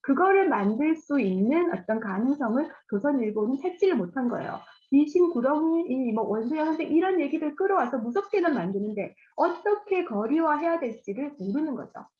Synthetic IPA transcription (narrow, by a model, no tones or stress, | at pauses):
kɯɡʌɾɯɭmandɯɭs͈uinːɯnʌ̰t͈ʌnkanɯŋs͈ʰʌŋɯɭt͡ɕosʰʌniɭɡonɯnt͡ɕʰat͡ɕ͈iɾɯɭmotʰanɡʌ̰ḛjo̰piɕʰinkuɾʌŋimwʌwʌnsʰɯjʌnɯndeʔiɾʌnje̞ɡidɯɭk͈ɯɾʌwasʰʌmusʰʌp̚k͈e̞nɯnmandɯnɯnde̞ | ʌt͈ʌkʰe̞kʌɾiwaɦe̞jadweɭt͡ɕ͈iɾɯɭoɾɯnɯnɡʌ̰d͡ʑo̰